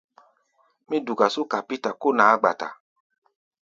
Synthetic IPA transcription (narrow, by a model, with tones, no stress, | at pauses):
mĩ˦du˨ɡa˨su˦ka˨pi˦ta˨ko˦nãː˨˦ɡ͡ba̰˨ta̰˨